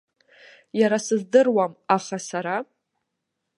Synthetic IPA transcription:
jaɾasɨzdɨrwamaχasaɾa

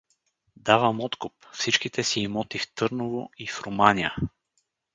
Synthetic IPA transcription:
d̪avəmɔt̪kʊpfsit͡ʃkit̪ɛsiːmɔt̪ift̪ɤɾnovoifɾomaniə

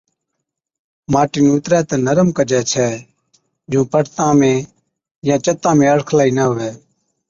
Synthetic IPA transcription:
maːʈiːnːʊt̪ɾɛːt̪ɛ̃ːnəɾəmkəd͡ʒɛːt͡ʃʰɛː | d͡ʒũːpəɽt̪ãːmẽː | jãːt͡ʃət̪ãːmẽːəɽkʰlaːiːnəɦʊʋɛː

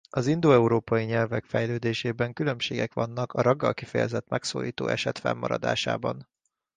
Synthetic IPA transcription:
ɒzind̪oːɛuɾoːpɒjiɲɛlvɛkfɛjløːd̪eːʃeːbɛŋkylø̞mpʃeːɡɛkʋɒnːɒkɒɾɒɡːɒlkifɛjɛ̰zɛt̪mɛkso̰ːɾḭːt̪o̰ːʔɛʃɛt̪fɛ̰mːɒɾɒ̰d̪a̰ːʃa̰ːbɒn

